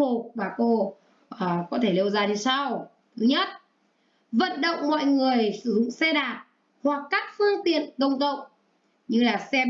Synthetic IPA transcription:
o˨˧vaː˨˩ko˧ | ʔəː˨˩kɔ˨˦t̪ʰe˧˩le˧wzaː˧ni˧sa˧w | t̪ʰɨ˨˦ɲə˦˥t̚ | və̰˧˨nɗə̰˧˨wŋ͡mmɔ̰˧˨jŋɨ˨˩əjsɨ˧˩zʊ̰˧˨ŋ͡msɛ˧ɗaː˨˩t̚ | hwa˨˩kːaː˦˥k̚fɨ˧əŋt̪ḭ˧˨ənkə˧wŋ͡mkə̰˧˨wŋ͡m | ɲɨ˧laː˨˩sɛ˧

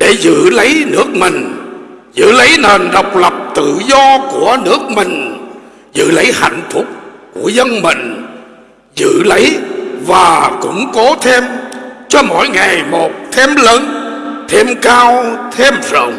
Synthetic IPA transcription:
ɗe˧˩zɨ̰˧˨lə˨˦jnɨ˦˥ək̚mï˨˩ŋ̟zɨ̰˧˨lə˨˦jne˨˩nɗə˨˩wk͡p̚lə˨˩p̚t̪ɨ̰˧˨zɔ˧ku˧˩ənɨ˦˥ək̚mï˨˩ŋ̟ | zɨ̰˧˨lə˨˦jha̰˧˨jŋ̟fʰʊ˦˥k͡p̚ku˧˩əzə˧nmï˨˩ŋ̟ | zɨ̰˧˨lə˨˦jvaː˨˩kʊ̰˧˥ŋ͡mko˨˦t̪ʰe˧mt͡ɕɔ˧mo̰˧˥jŋa˨˩jmo˨˩t̚t̪ʰɛ˧mləː˨˦nt̪ʰe˧mkaː˧wt̪ʰe˧mzə̰˧˨ŋ͡m

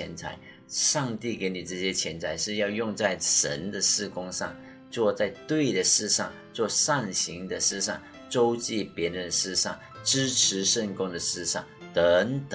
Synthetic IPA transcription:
ɛ̰˧˥nt͡sʰa̰˧˥ɪ | ʂɑ˥˧ŋt̪i˥˩ke˧˥ɪni˨˩ʈ͡ʂɤ˥˩ɕjɛ˥t͡ɕʰjɛ˧˥nt͡sʰa˧˥ɪʂɻ̩˥˧jɑ˥˧ʊjʊ˥˧ŋt͡sa˥˩ɪʂə̰˧˥nd̪ə˨ʂɻ̩˥˧kʊ˥ŋʂɑ̰˥˩ŋ | t͡swɔ˥˧t͡sa˥˩ɪt̪we˥˩ɪd̪ə˩ʂɻ̩˥˧ʂɑ̰˥˩ŋ | t͡swɔ˥˧ʂa˥˩nɕi˧˥ŋd̪ə˨ʂɻ̩˥˧ʂɑ̰˥˩ŋ | t͡so˥ʊt͡ɕi˥˩pjɛ˧˥ɻə˧˦nə˧ʂɻ̩˥˧ʂɑ̰˥˩ŋ | ʈ͡ʂɻ̩˥ʈ͡ʂʰɻ̩˧˥ʂə˥˩nkʊ˥ŋd̪ə˨ʂɻ̩˥˧ʂɑ̰˥˩ŋt̪ə˧˦ŋt̪

